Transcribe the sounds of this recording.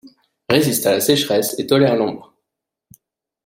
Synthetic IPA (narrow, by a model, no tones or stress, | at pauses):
ʁezist̪alasɛʃχɛset̪ɔlɛʁlɔ̃bʁ